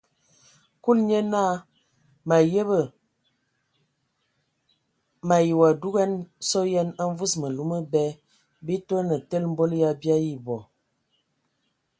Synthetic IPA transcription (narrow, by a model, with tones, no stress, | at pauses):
ku˦lɲə˦na˦ | ma˨jə˦bə˨ | ma˨ji˨wa˨du˦ɣɛ˦nsɔ˦jɛ˦na˦ɱ˦vu˦smə˨lu˦mə˦bɛ˦ | bi˦to˦nə˨tə˦lm̩˦bo˦lja˦bja˦ji˦bɔ˨